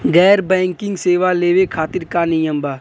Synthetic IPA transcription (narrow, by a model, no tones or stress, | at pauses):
ɡɛːɾbɛ̃ːŋkɪ̃ŋɡseːʋaleːʋekʰaːt̪ɪɾkanɪjəmbaː